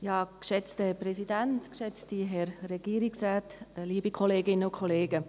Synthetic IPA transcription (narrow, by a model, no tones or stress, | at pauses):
jɑːkʃɛt͡sthɛprɛsidæntkʃɛt͡stiɦɛɾːɛɡ̥iːɾiksraːtliːbikχɔleːɡɪnəʊkʰχɔleːɡə